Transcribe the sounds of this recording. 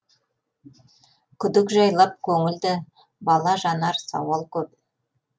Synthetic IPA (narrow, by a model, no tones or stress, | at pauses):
kʲʰʏd̪ɪkʒɑjlˠɑp̚kʲʰɵŋɪld̪ɪ | bɑlˠɑʒɑnɑɾsɑ̰wɑlˠkʲʰɵp̚